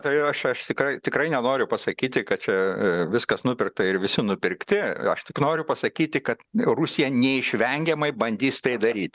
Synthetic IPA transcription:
t̪ɐɪɐʃɐʃt̪ʲɪkɾɐɪt̪ʲɪkrɐɪnʲɛnoːɾʲʊpɐsɐkʲiːt̪ʲɪkɐt̪̚t͡ʃʲɛʋʲɪskɐsnʊpʲɪrk̚t̪ɐɪɾʋʲɪsʲɪnʊpʲɪrkt̪ʲɪɐ̰ʃt̪ʲɪknoːɾʲʊpɐsɐkʲiːt̪ʲɪkɐt̪rʊsʲɪjɛnʲɛɪʃʲʋʲɛŋʲɡʲɛmɐɪbɐnʲd̪ʲiːst̪ɐɪd̪ɐɾʲiːt̪ʲ

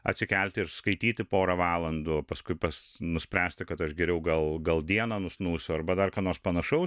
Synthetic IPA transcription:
ɐt̪ʲsʲɪkʲɛlʲt̪ʲɪɪɾskɐɪt̪ʲiːt̪ʲɪpoːɾɐʋɑːlˠɐnd̪ʊpɐskʊɪpɐsnʊsʲpʲɾʲæːsʲt̪ʲɪkɐt̪ɐʃɡʲɛɾʲɛʊɡɐlˠɡɐlˠd̪ʲiɛnɐːnʊsnuːsʲʊɐrbɐd̪ɐrkɑːnoːrspɐnɐʃɐʊ

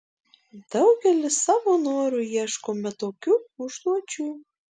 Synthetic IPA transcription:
d̪̥ɐʊɡʲɛlʲɪssɑʋonoːɾujiɛʃkomʲɛt̪oːkʲuːʊʒd̪uɔt͡ʃʲuː

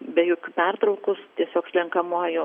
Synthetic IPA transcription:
bʲɛjoːkʲupʲɛrt̪ɾɐʊkʊst̪ʲiɛsʲoːkslʲɛŋkɐmuɔjʊ

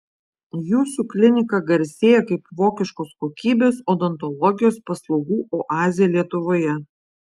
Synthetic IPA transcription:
juːsuklʲɪnʲɪkɐɡɐɾʲsʲeːjɛkɐɪpʋoːkʲɪʃkoːskoːkʲiːbʲeːsoːd̪ɐnt̪ɔlˠɔɡʲɪjoːspɐslˠɒʊɡuːʔoːʔɑːzʲɪjɛlʲiɛt̪ʊʋoːjɛ

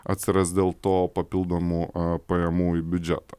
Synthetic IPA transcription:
ɐ̰t̪ʲsʲɪɾɐsd̪ʲeːlˠt̪oːpɐpʲɪlˠd̪oːmuːpɐjɛmuːibʲʊd͡ʒʲɛ̰t̪ɐ

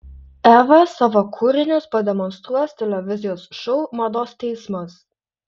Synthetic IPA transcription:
æːʋɐsɑːʋoːkʰʊɾʲɪnʲʊspɐd̪ʲɛmɔnst̪ɾuɔst̪ʲɛlʲɛʋʲɪzʲɪjoːsʃɔʊmɐd̪oːst̪ʲɛɪsmɐs

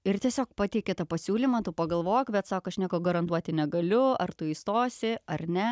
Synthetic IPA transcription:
ɪrt̪ʲiɛsʲoːkpɑːt̪ʲɛɪkʲɛt̪ɐpɐsʲuːlʲiːmɐt̪ʊpɐɡɐlˠʋoːjkbʲɛt̪sɑːkoɐʃnʲiɛkoːɡɐɾɐnt̪uɔt̪ʲɪnʲɛɡɐlʲʊɐ̰rt̪ʊiːst̪oːsʲɪɐrnʲɛ

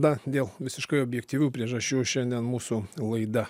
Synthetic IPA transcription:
d̪ɐd̪ʲeːlˠʋʲɪsʲɪʃkɐɪoːbʲjɛkt̪ʲiːʋʲuːpʲɾʲiɛʒɐʃʲt͡ʃʲuːʃʲɛnʲd̪ʲiɛnmuːsʊlˠɐɪd̪ɐ

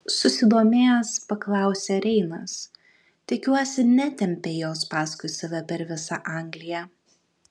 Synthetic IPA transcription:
sʊsʲɪd̪oːmʲeːjspɐklˠɑˑʊsʲeɾʲɛɪnɐs | t̪ʲɪkʲuɔsʲɪnʲɛt̪ʲɛmʲpʲeːjoːspɑːskʊɪsɐʋʲɛpʲɛɾʋʲɪsɑʔɐˑŋɡlʲɪjɛ

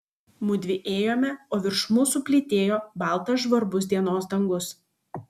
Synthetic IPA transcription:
mʊd̪ʲʋʲɪʔeːjoːmʲɛoːʋʲɪɾʃmʊsʊpʲlʲɪt̪ʲeːjoːbɑˑlˠt̪ɐʒʋɐɾbʊs̬ʲd̪ʲiɛnoːsd̪ɐŋɡʊs

